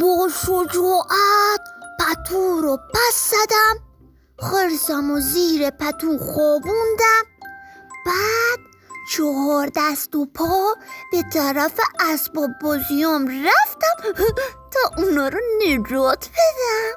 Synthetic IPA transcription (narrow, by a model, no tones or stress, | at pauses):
boʃod͡ʒuːʔæt̪̚pʰæt̪ʰuɾɔpæsːæd̪æm | xeɾsæmoziːɾepʰæt̪ʰunχɔːbund̪æm | b̥æd̪̥̚ | t͡ʃʰɔɦɒːɾd̪æst̪opʰɒb̥et̪ʰæɾæfeʔæsbɒːbbɔzijɒːmɾæft̪æmt̪ʰɒʔunɒːɾɔned͡ʒɔt̪ʰbed̪æm